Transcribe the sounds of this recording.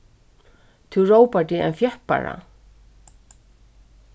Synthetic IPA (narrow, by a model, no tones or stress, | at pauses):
t̪ʰuwroːwpat̪iɛ̰nfjɛhpa̰ɾa̰